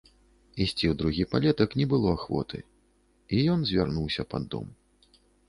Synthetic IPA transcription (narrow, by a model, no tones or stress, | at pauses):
isʲt͡sʲiwd̪ɾuɣʲipalʲɛt̪ɐknʲɛbɨlˠɔaxvɔ̰t̪ʰɨ̰ | ijɔnzʲvʲarnuwsʲɐpa̰d̪ːɔ̰m